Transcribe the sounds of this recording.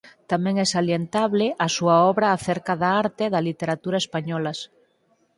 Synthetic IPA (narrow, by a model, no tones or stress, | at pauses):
t̪amẽŋesaljent̪aβleʔasuaɔβɾaːθeɾkaðaaɾt̪eðalit̪eɾat̪uɾaespaɲɔlas